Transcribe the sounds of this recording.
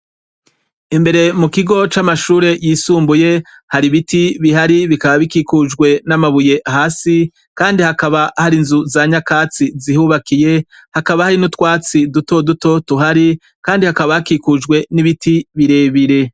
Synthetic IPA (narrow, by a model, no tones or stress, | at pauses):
imbe̞ɾe̞mukiɡo̞t͡ʃamaʃuːɾe̞jiːsuːmbuje̞ | haɾiβitiβiɦaɾiβikaβaβikikud͡ʒɡwe̞namaβuje̞ʔaɦaːsi | kaːndihakaβahaɾinzuzaɲakaːt͡sizihuβakije̞ | hakaβahaɾinutkwaːt͡siduto̞duto̞tuɦaɾi | kaːndihakaβahakikud͡ʒɡwe̞niβitiβiɾe̞βiɾe̞